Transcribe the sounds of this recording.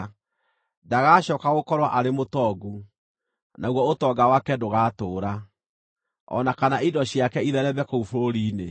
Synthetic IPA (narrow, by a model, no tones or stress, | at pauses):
daɣaɕɔːkaɣokɔɾwaʔaɾemotɔɡu | naoɣwɔotɔːɡawakɛdoɣaːtoːɾa | ɔ̰nakanaidɔɕiakɛiðɛɾɛbɛkoufoɾiːne